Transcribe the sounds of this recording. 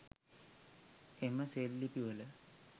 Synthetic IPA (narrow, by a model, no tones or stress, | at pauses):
eməseːlːipiʋələ